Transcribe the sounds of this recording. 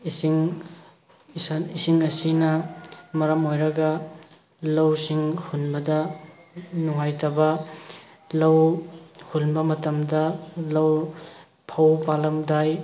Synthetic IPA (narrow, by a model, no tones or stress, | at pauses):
isiŋ | snisiŋɐsinɐmɐɾɐmojɾɐɡɐ | lɐwsiŋhunbɐdɐ | nuŋajtɐbɐ | lɐwhulbɐmɐtɐmdɐlɐw | pʰɐwpalɐmdaj